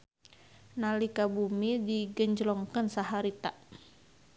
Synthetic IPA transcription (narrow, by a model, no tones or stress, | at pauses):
nalikabumidiɡəɲd͡ʒlɔŋkənsaɦaɾit̪a